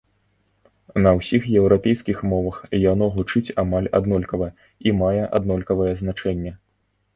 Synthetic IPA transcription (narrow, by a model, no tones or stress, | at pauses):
nɐwsʲixjɛwɾapʲejskʲixmɔvɐxjanɔɣut͡ʂɨt͡sʲamalʲa̰d̪nɔlʲkɐvɐ | imajɛʔa̰d̪nɔlʲkɐvɐjɛznat͡ʂɛnʲːɛ